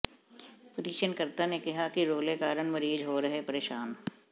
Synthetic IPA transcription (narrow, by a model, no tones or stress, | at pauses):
pʊɾiːʃənkɐɾt̪anekɐɦakiɾoːlekaːɾənmɐɾiːd͡ʒɦoːɾɐɦepɐɾeːʃaːn